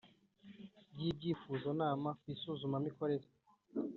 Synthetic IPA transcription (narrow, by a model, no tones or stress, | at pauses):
bɟib̚ɟiːfuzonaːmakwisuzumamiko̞ɾe̞ɾe